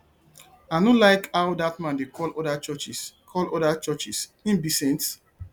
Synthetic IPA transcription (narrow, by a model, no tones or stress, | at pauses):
anolaɪkawdatmãndekʰɔlɔdat͡ʃɔt͡ʃiskʰɔlɔdat͡ʃɔt͡ʃisĩnbisɛ̃nt